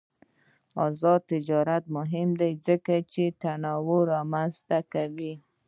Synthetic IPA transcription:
ɑzɑd̪̚t̪ɪd͡ʒɑɾat̪̚mʊɦɪmd̪ajzəkat͡ʃet̪anɑwoɾɑmanzt̪akawi

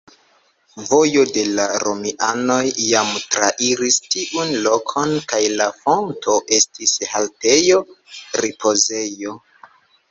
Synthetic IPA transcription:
vo̞jo̞de̞laɾomiʔano̞jːamtɾaʔiɾistiʔunlo̞kʰo̞nkajlafo̞ntʰo̞ʔe̞stishalte̞jo̞ɾipo̞ze̞jo̞

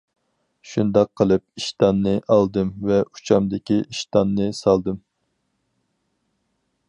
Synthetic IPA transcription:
ʃund̪ɑq̚ʰːəlˠɨp̚iʃt̪ɑnːɨʔɑlˠd̪ɨmvɛu̥t͡ʃʰɑmd̪ɪkʲiiʃt̪ɑnːɨsɑlˠd̪ɨm

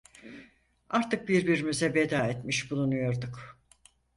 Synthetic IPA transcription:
aɾt̪ʰɯk̚biɾbiɾimyzɛbed̪aːet̪miʃbulˠunujo̞ɾd̪uk

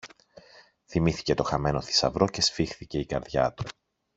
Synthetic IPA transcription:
θimiθi̥ce̞t̪o̞xɐme̞no̞θi̥sɐ̰vɾo̞ce̞sfixθice̞ikɐɾðʝɐ̰t̪u̥

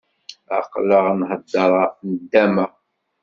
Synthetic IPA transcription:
a̰qləʁnħəd̪ːɑɾˤɑnəd̪ːæmæ

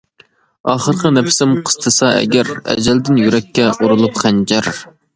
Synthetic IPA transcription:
ɑːχəɾqʰənɛpʰɪ̥sɪmqʰə̥st̪ʰɨsɑɛ̰ɡʲæɾɛ̰d͡ʒɛld̪ɪnjyɾɛkʲːɛʔuɾulˠupχænd͡ʒɛɾ

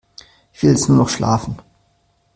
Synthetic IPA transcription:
ɪçv̥ɪlɛsnuːɐnɔχʃla̰ːfn̩

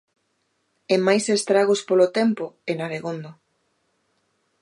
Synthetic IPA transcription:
emajsest̪ɾaɣ̞ospolot̪ɛmpoenaβ̞eɣond̪o

